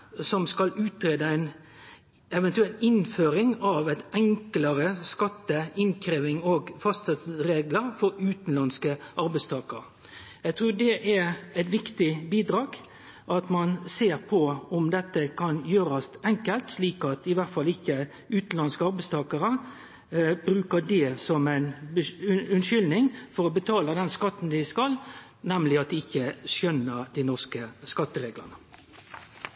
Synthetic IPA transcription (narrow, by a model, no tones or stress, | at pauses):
sɔmskɑlʉːt̪ɾeːd̪əæɪn | ɛʋɛnt̪ʉɛlt̪ɪnføːɾɪŋɑʋæɪt̪ɛŋkləɾəskɑt̪ːəɪnkʰɾeːʋɪŋoɡfɑst̪sɛt̪sɾeːɡləɾfɔɾʉːt̪n̩lɑnskəʔɑɾbæɪst̪ʰɑːkəɾ | æɡt̪ʰʁʉːd̪ɛʔæɾæɪt̪ʋɪkt̪ɪbiːd̪ɾɑːɡ | ʔɑt̪mɑnseːɾpʰɔɔmd̪ɛt̪ːəkʰɑnjøːɾɑsɛŋkəlt̪sliːkɑt̪ɪʋæʁt̪fɑlːɪçːə | ʉːt̪n̩lɑnskəɑɾbæɪst̪ʰɑːkəɾə | bɾʉːkəd̪ɛsɔmæɪnbəʉnʃʏlnɪŋfɔɾɔbət̪ʰɑːləd̪ɛnskɑt̪ːn̩d̪ɪskɑl | nɛmlɪɑt̪̚d̪ɪɪçːəʃœnːəɾd̪ɪnɔʁskəskɑt̪ːəɾeːɡlə̰nə